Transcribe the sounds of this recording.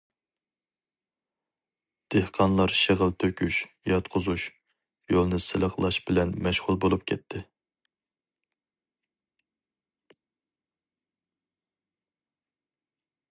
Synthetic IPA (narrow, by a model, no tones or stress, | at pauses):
d̪̥ehqʰɑnlˠɑɾʃeʁəlt̪ʰøkʲʰyʃ | jɑt̪qʰʊzuʃ | jolˠnɨsɪləqlˠɑʃbɪlɛnmɛʃʁʊlˠbolˠup̚kʲʰɛt̪ʰːɪ